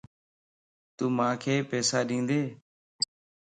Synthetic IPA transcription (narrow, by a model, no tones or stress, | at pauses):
t̪uːmãːkʰeːpɛːsaːɗĩːnd̪eː